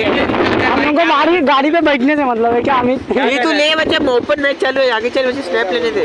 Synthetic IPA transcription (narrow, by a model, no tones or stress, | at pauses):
ɦɐmlõːŋkobaːɾiɡaːɽipebɐʈʰnesemɐt̪ləbekaəmit̪ɦit̪ulẽʋɐt͡ʃamoːpənmɛːkt͡ʃalueaːɡet͡ʃalet͡ʃsnɛːplened̪e